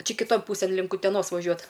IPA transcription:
ˈt͡ʃʲɛ kʲɪˈtoːn ˈpuːsʲeːn ˈlʲɪŋk ʊtʲɛˈnoːs ʋɐˈʒʲuɔt

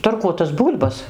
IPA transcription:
tɐrˈkuɔtɐs ˈbuːlʲbɐs

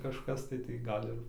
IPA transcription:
kɐʃˈkɐs tɐɪ tɐɪ ˈɡɐlʲ ɪr

